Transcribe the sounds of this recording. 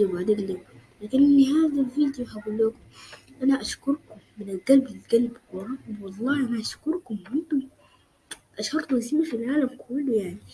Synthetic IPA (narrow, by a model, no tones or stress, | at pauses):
ibaʕd̪aːɡlab | laːkɪnɪlːiɦaːðalviːd̪joħaɡuːlːaːkʊm | ʔanaʔaʃkʊɾˤkʊmːɪnɪlɡalblɪlɡalbwɑrˤːɑːkʊmwɑlˤːɑːʔanaʔaʃkʊɾˤkʊmʕɪnt̪ʊm | ʔaʃhɑɾˤt̪uʔnsimːafilʕaːlamkʰʊlːujaʕnii